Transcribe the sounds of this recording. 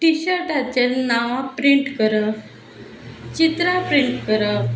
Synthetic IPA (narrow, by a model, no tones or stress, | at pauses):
ʈiɕəɾʈat͡ɕeɾnaʋãpɾiɳʈkəɾə | t͡ɕit̪ɾapɾiɳʈkəɾə